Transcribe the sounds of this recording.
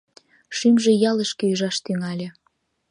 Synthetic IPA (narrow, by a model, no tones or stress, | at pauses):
ʃimʒejɑləʃkĕyʒɑʃt̪yŋɑlʲe